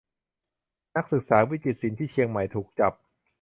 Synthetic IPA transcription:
na˦˥k̚sɯ˨˩k̚saː˩˦wi˦˥t͡ɕi˨˩t̪̚si˩˦nt̪ʰiː˥˩t͡ɕʰi˧əŋma˨˩jt̪ʰuː˨˩k̚t͡ɕa˨˩p̚

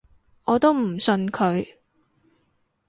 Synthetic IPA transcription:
ɔː˨˧t̪o˥wm̩˨˩sɵ˧nkʰɵ˨˧ɥ

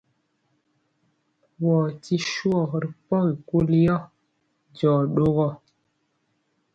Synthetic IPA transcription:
wɔ˨ti˦ʃu˦ɔ˦˨ɾi˨pɔ˦ɣi˨ku˦li˦jɔ˦ | d͡ʒɔ˨ɗo˦ɣɔ˦˨

